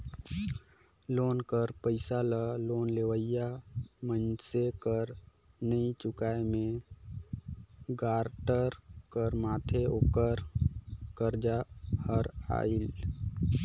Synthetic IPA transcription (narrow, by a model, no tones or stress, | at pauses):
loːnkəɾpəɪsaləloːnleʋəijamənsekəɾ | nəĩt͡ʃʊkaemẽ | ɡaːɾʈəɾkəɾmaːt̪ʰeoːkəɾ | kəɾd͡ʒahəɾa̰ːil